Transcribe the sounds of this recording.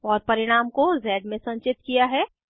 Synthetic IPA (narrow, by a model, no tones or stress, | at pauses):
ɔːɾpɐɾɪɽ̃aːmkozɛːɖmẽsɐ̃nt͡ʃɪt̪kijaɦɛː